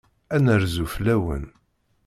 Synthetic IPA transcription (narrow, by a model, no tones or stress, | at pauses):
ænəɾzuflæwə̰n